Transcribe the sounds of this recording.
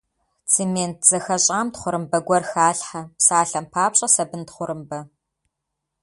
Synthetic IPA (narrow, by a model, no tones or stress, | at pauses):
t͡sʰeːmeːnt̚ʰz̥ɐxɐɕʼaːmtχʷʊɾɨmbɐɡʷɔrxaːɬħapsaːɬɐmpʰaːpɕʼɐsɐbɨntχʷʊɾɨmbɐ